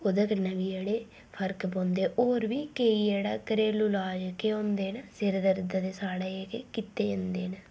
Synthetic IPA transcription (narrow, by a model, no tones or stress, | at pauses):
ʊd̪əkənəʋiːeːɽeː | pʰəɾkbõːnd̪eːʔoːɾʋiːkeiːd͡ʒeːɽa̰ːkəɾeːlulaːd͡ʒkeõːnd̪eːnəsɪɾd̪əɾd̪ad̪eːsaːɽeːeːkḛːkɪt̪ːeːə̃nd̪eːn